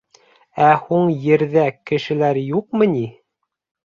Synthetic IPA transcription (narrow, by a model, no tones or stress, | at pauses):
æhuɴjɘ̆ɾðækɘ̆ʃɘ̆læɾjuq̚mɤ̆ni